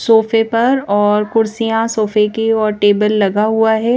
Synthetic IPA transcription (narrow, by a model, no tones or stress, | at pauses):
soːfepɐɾɔːɾkʊɾsijãsoːfekiɔːɾʈeːbəlːɐɡaɦuaɦɛː